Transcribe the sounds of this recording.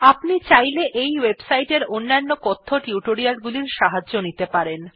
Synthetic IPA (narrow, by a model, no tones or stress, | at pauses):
apnit͡ɕajleʔejwebsajʈeɾonːanːokot̪ʰːoʈiuʈoɾialɡuliɾʃaɦaːonit̪epaɾen